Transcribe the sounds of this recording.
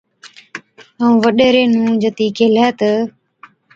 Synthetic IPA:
əũːʋəɗeːɾeːnũːd͡ʒət̪iːkeːlɛːt̪ə

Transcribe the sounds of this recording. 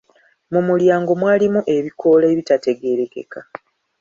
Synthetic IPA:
mumuljaːŋɡo̞mwaːlimuʔe̞βikʰo̞leːβitate̞ɡe̞ɾe̞ke̞̰ka

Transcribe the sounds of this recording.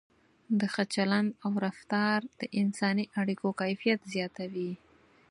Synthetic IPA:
d̪əxat͡ʃalanawɾaft̪ɑɾd̪̥əʔɪnsɑniʔaɽikokajfijat̪zjɑt̪awi

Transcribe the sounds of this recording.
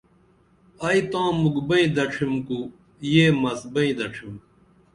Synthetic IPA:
ɐit̪ãːmuɡbɐĩd̪ɐʈ͡ʂʰimku | jeːmɐsbɐĩd̪ɐʈ͡ʂʰim

